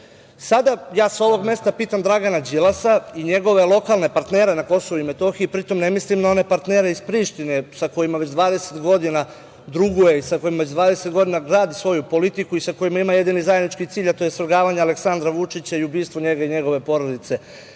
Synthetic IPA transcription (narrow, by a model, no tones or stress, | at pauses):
sad̪ajaːsao̞ʋo̞ɡme̞st̪apiːt̪amd̪ɾaɡanad͡ʑilasaiɲe̞ɡo̞ʋe̞lˠo̞kalne̞paɾt̪neːɾe̞nako̞soʋuime̞t̪o̞xiipɾit̪o̞mne̞mislimnao̞ne̞paɾt̪neːɾe̞ispɾiːʃt̪ine̞sako̞jimaʋe̞t͡ɕd̪ʋaːd̪ese̞t̪ɡo̞d̪ina | d̪ɾuɡuje̞isakojimae̞t͡ɕd̪ʋaːd̪e̞se̞t̪ɡo̞d̪inaɡɾaːd̪isʋo̞jupo̞lit̪ikuisako̞jimaimaje̞d̪inizajed̪nit͡ʃkit̪siːʎat̪o̞jesɾ̩ɡaːʋaɲaale̞ksand̪ɾaʋut͡ʃit͡ɕaiubiːst̪ʋoɲe̞ɡaiɲe̞ɡo̞ʋe̞po̞ɾo̞d̪it̪se̞